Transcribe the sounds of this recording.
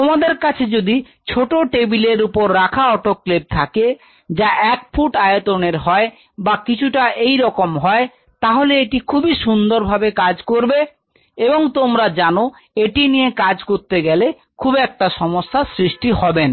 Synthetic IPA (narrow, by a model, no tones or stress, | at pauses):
t̪omad̪eɾkat͡ɕʰed͡ʑod̪i | t͡ɕʰoʈoʈebileɾupoɾːakʰaɔʈokːlep̚t̪ʰake | d͡ʑaʔɛkfʰuʈajot̪oneɾɦɔe | bakit͡ɕʰuʈaʔejɾɔkomɦɔe | t̪aɦoleeʈikʰubiʃund̪oɾbʱabekad͡ʑkoɾbe | eboŋt̪omɾad͡ʑano | eʈinijekad͡ʑkoɾt̪eɡɛle | kʰubɛk̚ʈaʃɔmoʃːasɾiʃʈiɦɔben